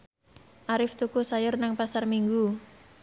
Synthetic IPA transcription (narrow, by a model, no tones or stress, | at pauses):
ʔaɾɪft̪ukusajʊrnaŋpasarmiŋɡu